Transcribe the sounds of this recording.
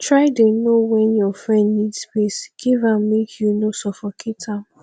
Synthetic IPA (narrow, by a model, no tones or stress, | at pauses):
tʰɹaɪdenowɛ̃njɔfɹɛ̃ndnidspesɡ̥ivãmːikʰjunosɔfɔkʰitʰãm